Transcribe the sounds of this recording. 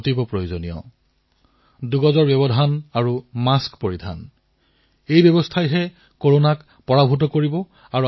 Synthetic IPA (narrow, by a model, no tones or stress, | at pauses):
tibɔpɹojuzonijɔ̰ | duɡɔzɔɹbjɔbɔdʱanaɹumaskpoɹidʱa̰n | ejbɛbɔstʰajɦɛ | koɹonak | pɔɹabʱut̬ɔkoɹibɔ | aɹu